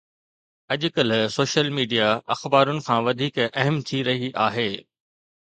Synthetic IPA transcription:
ɐʄʊkəlsoːʃəlmiːɖijaɐxbaːɾʊnɪ̆kʰãːʋɐd̪ʱiːkɐɦəmt̪ʰiɾɐɦiʔaːɦeː

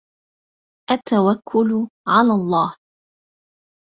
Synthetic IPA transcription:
ʔat̪ːawakʰːʊlʊʕalaːlˤːɑːh

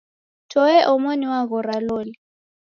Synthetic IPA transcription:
tʰʼɔɛʔʊmoniwaɣʊraloːlɪ

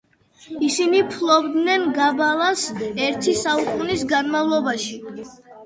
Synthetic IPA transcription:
isinipʰlˠɔbd̪nɛnɡabalˠasɛɾt̪ʰisaukʼunisɡanmavlˠɔbaʃi

